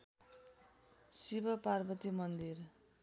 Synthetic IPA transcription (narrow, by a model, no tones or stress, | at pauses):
sibʌparbʌt̪imʌnd̪ir